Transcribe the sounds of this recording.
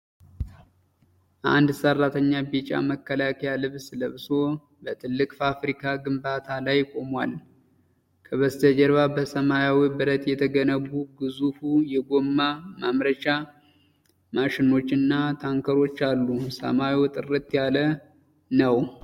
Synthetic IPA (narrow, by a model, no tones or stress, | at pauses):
ʔa̰nd̪sərːat̪ʰəɲːabit͡ʃʼa̰məkːəlakʰəjalɨβsɨləβɨso̞ | bət̪ʰɨlːɨkʼfafɾikʰaɡɨmbat̪ʰalajkʼo̞mwal | kʰəβəst̪ʰəd͡ʒɛɾβabəsəmajawibɨɾət̪jɛt̪ʰəɡənəβuɡɨzufujɛɡo̞mːamamɾət͡ʃa | maʃɪno̞t͡ʃːɨnːat̪ʰaŋkʰəɾo̞t͡ʃːalːusə̰maiwt̪ʼɨrːɨt̪ʼjalə | nəw